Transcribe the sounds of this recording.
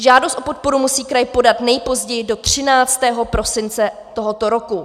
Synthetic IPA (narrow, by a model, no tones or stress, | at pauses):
ʒaːdost̪ʔopo̞t̪̚po̞ɾumusiːkɾajpo̞dat̪nɛjpo̞zɟɛjɪdo̞t̪r̝̥ɪnaːt͡st̪ɛːɦopɾo̞sɪnt͡sɛt̪o̞ɦot̪o̞ɾo̞ku